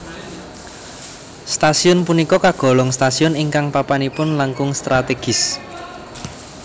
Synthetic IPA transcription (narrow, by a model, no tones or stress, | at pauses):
st̪asiʊnpunikɔkaɡ̥ɔ̤lɔŋst̪asiʊniŋkaŋpapanipʊnlaŋkʊŋst̪ɾat̪eɡ̥ɪ̤s